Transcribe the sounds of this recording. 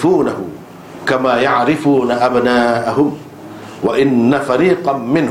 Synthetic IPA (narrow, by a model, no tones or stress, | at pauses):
fuːnahʊ | kamaːjaʕɾɪfuːnaʔabnaːʔaɦʊm | waʔɪnːafaɾiːqɑmɪn